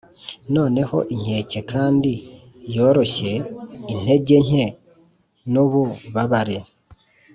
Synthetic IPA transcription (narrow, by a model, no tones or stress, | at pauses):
no̞ːne̞ho̞̰ʔiɲeːce̞kʰaːndi | jo̞ːɾo̞çe̞in̥he̞ɟe̞ɲ̥e̞ | nuβuβaβaɾe